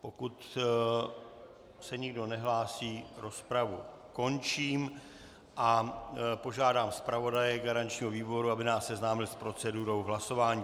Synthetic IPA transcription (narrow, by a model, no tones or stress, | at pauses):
po̞kut̪ | sɛɲɪɡdo̞nɛɦlaːsiːɾo̞spɾavu | ko̞nt͡ʃiːm | ʔapo̞ʒaːdaːmspɾavo̞dajɛɡaɾant͡ʃɲiːɦoviːbo̞ɾuabɪnaːsːɛznaːmɪlspɾo̞t͡sɛduɾo̞wɦlaso̞vaːɲiː